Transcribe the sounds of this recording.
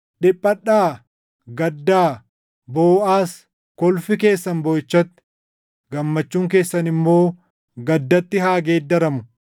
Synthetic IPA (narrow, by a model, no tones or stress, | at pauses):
ᶑɪpʼːɐɗaː | ɡɐd̪ːaː | boːaːs | kɔlfɪke̞ːsːɐnbɔjt͡ʃːɐt̪ːɪ̥ | ɡɐmːɐt͡ʃːuːŋk̬e̞ːsːɐnɪmːo̞ː | ɡɐd̪ːɐt̪ːɪɦaːɡe̞ːd̪ːɐɾɐmʊ